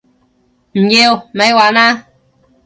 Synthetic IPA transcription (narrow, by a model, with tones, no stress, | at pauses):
m̩˨je˧wme˨˦jwaː˨na˦